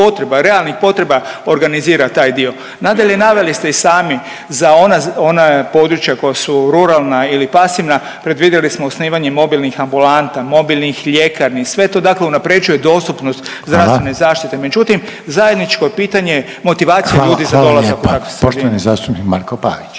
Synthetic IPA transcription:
po̞t̪ɾe̞baɾe̞alˠnixpo̞t̪ɾe̞baoɾɡaniziːɾat̪aːjd̪io̞ | nad̪aʎe̞naʋe̞list̪e̞isaːmi | zao̞nao̞napo̞d̪ɾut͡ʃjako̞jasuɾuɾalˠnailipasiʋna | pɾe̞d̪ʋiːd̪jelismousniːʋaɲemo̞bilˠnixambulant̪amo̞bilˠnixʎe̞kaɾnisʋe̞t̪o̞d̪akleunapɾe̞d͡ʒuje̞d̪o̞ːst̪upnost̪zd̪ɾasʋenezaːʃt̪it̪e̞me̞d͡ʒut̪im | zaje̞d̪nit͡ʃkoepiːt̪aɲe | mo̞t̪iʋaːt̪sijaʎuːd̪izad̪o̞lazakut̪akʋosoʃt̪oʋanizaːst̪upnikmaɾkopa̰ʋit͡ʃ

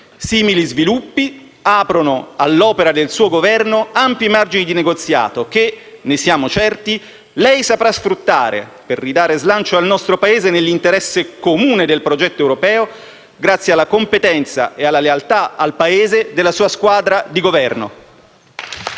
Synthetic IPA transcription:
siːmilizvilupːi | aːpɾonoalːɔːpeɾad̪elsuːoɡovɛrnoampjimard͡ʒinid̪ineɡot̪sːja̰ːt̪ok̟e | nesjaːmot͡ʃɛrt̪i | lɛjsapɾasfɾut̪ːa̰ːɾḛperːid̪aːɾezlant͡ʃoalnɔst̪ɾopaeːzenelːint̪eɾɛsːekomuːned̪elpɾod͡ʒɛt̪ːoɛwɾopɛːo | ɡɾat̪sːjealːakompet̪ɛnt̪sa̰ʔealːalealt̪aalpaeːzed̪elːasuːaskwaːd̪ɾad̪iɡovɛrno̰

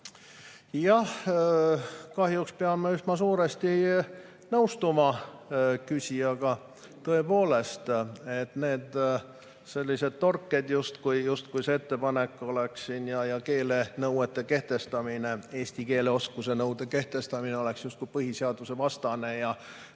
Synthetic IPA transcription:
jɑh | kɑɦjukspeɑmːeysmɑsuːɾest̪i | nɤwst̪umɑ | kysʲiɑɡ̥ɑ | t̪ɤe̞po̞ːle̞st̪e̞t̪ne̞ːd̪̥ | se̞lʲːise̞d̪̥̚t̪o̞rkːed̪̥just̪kujjust̪̚kujse̞et̪ːe̞pɑne̞kːˑo̞le̞kssinjɑjɑke̞ːle̞nɤwet̪ˑːe̞ke̞ht̪e̞st̪ɑmine̞e̞ːsʲt̪ike̞ːleo̞skuse̞nɤwd̪̥e̞ke̞ht̪e̞st̪ɑmineo̞le̞ksjust̪̚kujpɤɦiseɑd̪̥use̞vɑst̪ɑne̞jɑ

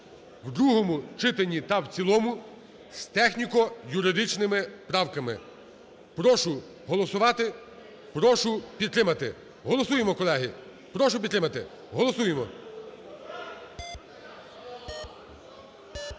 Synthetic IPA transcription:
wd̪ɾuɦɔmʊt͡ʃɪt̪enʲit̪ɐwt͡sʲilˠɔmʊ | st̪ɛxnʲikɔjʊɾɪd̪ɪt͡ʃnɪmɪpɾɑwkɐmɪ̰ | pɾɔʃʊ | ɦɔlˠɔsʊʋɑt̪ɪ | pɾɔʃʊpʲid̪̚t̪ɾɪmɐt̪ɪ̰ | ɦɔlˠɔsujemɔkɔlˠɛɦɪ | pɾɔʃʊpʲd̪ɾɪmɐt̪ɪ | ɦɔlˠɔsujemɔ̰

